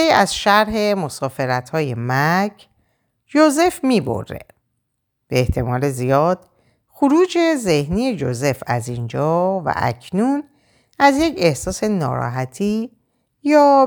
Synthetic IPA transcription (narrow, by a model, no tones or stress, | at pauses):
iːæzʃæɾɦe̞mosɒːfe̞ɾæt̪hɒːje̞mæcʰ | d͡ʒoze̞fmiːbo̞̰ɾːḛ | b̥eeht̪ʰe̞mɒːlezijɒːd̪̥ | xuɾuːd͡ʒe̞ze̞hniːje̞d͡ʒo̰ze̞fæzind͡ʒɒːvæ̰ʔæ̰cʰnun | æzje̞cʰe̞hsɒːse̞nɒːɾɒ̰ːɦæt̪ʰiː | jɒː